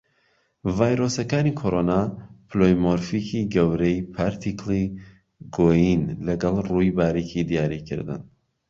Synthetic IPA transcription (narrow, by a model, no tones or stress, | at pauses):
vaːjɾosɐkaːnikʰoɾonaplojmoɾfikʰiɡɐwɾejpʰaɾt̪ʰikli | ɡoːjinlɐɡɑlˠrujbaːɾikid̪ijaːɾikʰɨ̰ɾd̪ɨ̰n